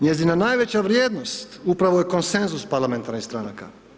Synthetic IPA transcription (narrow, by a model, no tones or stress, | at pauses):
ɲe̞zinanajʋet͡ɕaʋɾjeːd̪nost̪upɾaʋojeko̞nse̞nzuspaɾlˠame̞nt̪aɾnist̪ɾanaka̰